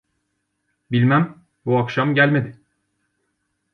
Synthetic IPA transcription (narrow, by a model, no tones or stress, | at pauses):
bilʲmæm | buakʃamɟælʲme̞d̪ɪ